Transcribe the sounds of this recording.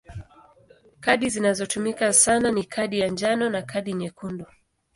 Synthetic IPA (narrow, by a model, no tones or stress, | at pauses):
kaɗizinazɔtumikasananikʰaɗijand͡ʒanɔnakʰaɗiɲɛkundɔ